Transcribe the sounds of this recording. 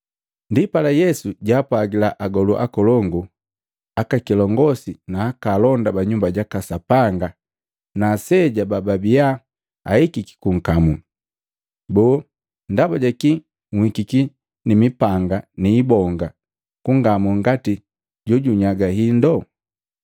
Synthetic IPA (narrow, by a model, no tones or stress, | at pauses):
ndipalajɛsuɟaːpwaɡilaʔaɡɔluʔa̰kɔlɔŋɡu | akakilɔŋɡɔsinaːkalɔndabaɲumbaɟakasapaŋɡa | nasɛɟabababia | a̰hikiki̥kuŋ̩kamu | bɔː | ndabaɟaki | ŋhikiki | nimipaŋɡaniːbɔŋɡa | kuŋɡamuŋɡati | ɟɔɟuɲaɡahindɔ